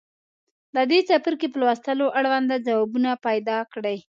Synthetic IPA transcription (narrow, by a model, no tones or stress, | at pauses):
d̪əd̪et͡sapəɾkepəlwast̪əloʔaɽwand̪ad͡zawɑbunapajd̪ɑkɽəj